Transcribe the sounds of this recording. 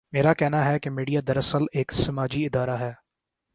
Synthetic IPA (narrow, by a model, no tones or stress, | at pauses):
meːɾakɛɦnaɦɛkemiːɖijad̪ɐɾɐsəleːksɐmaːd͡ʒiɪd̪aːɾaɦɛː